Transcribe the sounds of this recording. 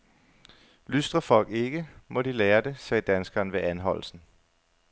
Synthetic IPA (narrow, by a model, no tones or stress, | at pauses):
lysd̥ʁɐfɒ̽l̰ɡ̥e̝ɡ̥əmɒ̽d̥ileːɐd̥e̝sɛːd̥ænsɡ̥ɐːnʋe̝ʔænɦɒ̽l̰lsn̩